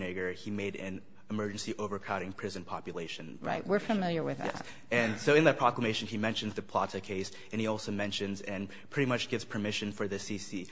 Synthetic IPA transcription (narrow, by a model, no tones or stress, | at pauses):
neɡə˞imeɪɾɨ̃n | ɨmɜ˞d͡ʒɨ̃n̩siʔoʊvə˞kʰaʊɾɪ̃ŋpʰɹ̥ɪzɨ̃npʰɑpjɨleɪʃɨ̃nɹa̰ɪʔ̚wɪɹfɨmɪlˠjə˞wɨðæ̰t | ɨ̃nsoʊɨ̃nðɨt̚pʰɹ̥ɑklˠəmeɪʃɨ̃nimɛ̃nʃɨ̃n̩zðɨpʰl̥ɑɾɨkʰeɪs | ɨ̃niɔlˠsoʊmɛ̃nʃɨ̃nzɨ̃n | pʰɹ̥ɪɾimʌt͡ʃɡ̥ɪvz̥pʰə˞mɪʃɨ̃nfə˞ðɨsisi